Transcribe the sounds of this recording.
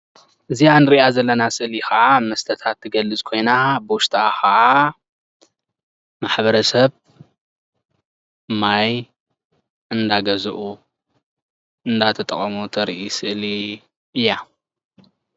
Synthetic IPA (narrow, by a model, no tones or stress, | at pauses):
ʔɨzianɨɾiʔazɐlːɐnasɨʔlixɐʔamɐst̪ʰɐt̪ʰat̪ʰːɨɡɐlːɨzkʰo̞jnabɨwʊʃt̪ʰʼaaxɐʕa | maħβɐɾɐsɐβ | maj | ʔɨnd̪aɡɐzɨʔu | ɨnd̪at̪ʰɐt̪ʼɐχʼɐmut̪ʰɐɾʔisɨʔli | ɨjːa